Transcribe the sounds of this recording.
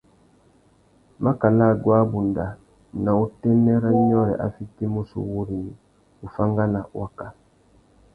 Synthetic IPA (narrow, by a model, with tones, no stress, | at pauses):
ma˦ka˨la˦˨ɡwa˦bu˨nda˨ | na˨u˦tɛ˦nɛ˦ɾa˦ɲɔ˦ɾɛ̰˨ʔa̰˨fi˦te˦mu˦sṵ˨wu˦ɾi˨ | u˨fa˦ŋɡa˦na˨wa˦ka˨